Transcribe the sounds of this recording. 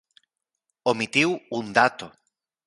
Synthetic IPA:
omit̪iwund̪at̪o

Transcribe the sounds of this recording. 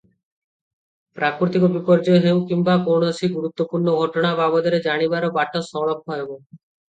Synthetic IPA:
pɾakɾut̪ikɔbikɔɾd͡ʒɔɦew̃kimbakoɳoɔsʰiɡuɾut̪ːopuɾɳɔɡʱɔʈɔɽ̃ababɔd̪ɔɾed͡ʒaɽ̃ibaɾɔbaʈɔsɔɭɔp̚ʰɔebɔ

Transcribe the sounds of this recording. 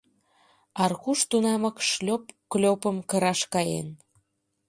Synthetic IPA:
ɑrkuʃt̪unɑməkʃlʲopklʲopə̆mkə̆ɾɑʃkɑjḛn

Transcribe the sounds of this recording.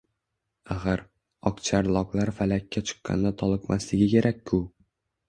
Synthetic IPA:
aχɨɾ | ɒqt͡ʃʰaɾlˠɒqlˠaɾfalakʲːat͡ʃʰɨ̥qːɑ̰nd̪at̪ʰɒlˠɨqmʔaslɪɡʲɪkʲe̞ɾʔakʲːʰʊ

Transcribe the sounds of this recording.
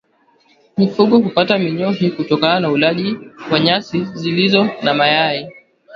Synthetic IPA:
mifuɠɔɦupatamiɲɔɦikutɔkananaulaʄiwaɲasizilizɔnamajai

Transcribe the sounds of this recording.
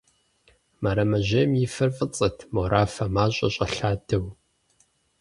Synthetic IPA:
mɐɾɐmɐʑeːmjɪfɐrfʼɨt͡sʼɨtʰmoɾʔaːfɐmaːɕʼɐɕʼɐɬaːdʰɐw

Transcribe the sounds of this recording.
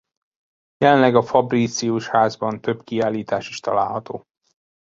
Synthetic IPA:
jɛlɛnlɛɡɒfɒbrit̪siuʃhaːzbɒnt̪ø̞bkiaːlːiːt̪aːʃiʃt̪ɒla̰ːlɦɒt̪oː

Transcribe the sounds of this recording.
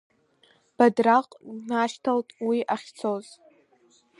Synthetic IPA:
b̥adraqʼnaʃtʰaltʼwiʔaχʲt͡sʰoz

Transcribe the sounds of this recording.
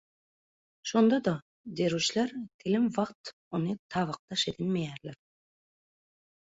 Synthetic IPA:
ʃo̞nd̪ɑd̪ɑ | d̪eɾuʃleɾt̪ʰilimvɑqt̪ | onɯt̪ʰɑːβɑq̚t̪ɑʃe̞d̪inmejæːɾleɾ

